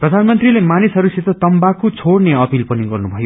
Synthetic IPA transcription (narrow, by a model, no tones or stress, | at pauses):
prʌd̪ʱanmʌnt̪rilemanisɦʌɾuset̪ʌt̪ʌmbakot͡sʰoɽneʌpilpʌniɡʌrnubʱʌjo